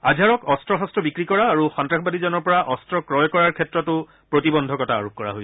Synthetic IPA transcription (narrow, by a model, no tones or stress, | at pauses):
azʱaɹɔkɔstɹɔɦɔstɹɔbikɹikɔɹaːɹuxɔntɹaxbadizɔnɔɹpɔɹaʔɔstɹɔkɹɔjkɔɹaɹkʰɛtɹɔtʊ | pɹotibɔndʱɔkɔtaa̰ɹok̚kɔɹa̰ɦojs